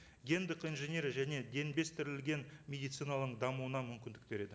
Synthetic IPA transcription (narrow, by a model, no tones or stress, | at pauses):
ɡʲe̞nd̪ɪqijnʒene̞ɾʒæne̞d̪e̞nbe̞st̪ʰɪɾɪlɡʲe̞nmʲe̞d̪ijt̪sɨjnalˠəqd̪ɑmuwənɑmʏmkʲɪnd̪ɪk̚be̞ɾe̞d̪ɪ